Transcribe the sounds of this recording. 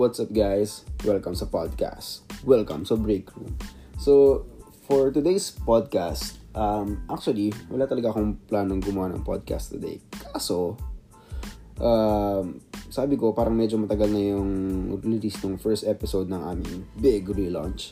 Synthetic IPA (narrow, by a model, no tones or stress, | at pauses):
wat̪sap̚ɡajswɛlkɐmsɐpad̪̚ka̰st̪wɛlkɐ̰msɐbɹejkɹṵmso | fɔɹt̪ʊd̪ejspad̪̚kast̪ʔɐmʔak̚t͡ʃʊɐliwɐlaːt̪ɐlɐɡaʔɐkoŋplaːnoŋɡʊmʊanɐ̰ŋpo̰d̪̚ka̰st̪t̪ːʊd̪ɛ̰jkʰaːso̞ | ʔamsaːbɪko̞paːɾɐŋmɛd͡ʒomɐt̪ɐɡɐlŋɐjoŋɾɾɪlisnoŋfɛɹst̪ʔɛpɪsowd̪̚nɐŋʔa̰ːmɪŋbɪɡɹilã̰nt͡ʃ